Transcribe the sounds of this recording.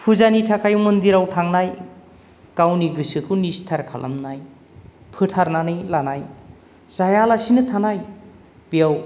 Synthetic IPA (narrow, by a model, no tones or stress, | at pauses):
pʰuzanitʰakʰajmɯnd̪iɾawtʰaŋnaj | kawniɡɯsɯkʰɯwnistʰaɾkʰa̰lʔa̰mnaj | pʰɯtʰaɾnanijlanaj | zajalasinɯtʰanaj | b̥ijaw